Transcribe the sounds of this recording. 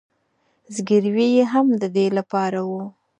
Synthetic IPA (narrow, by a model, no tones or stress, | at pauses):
zɡɪɾwejeɦamd̪əd̪elapɑɾawu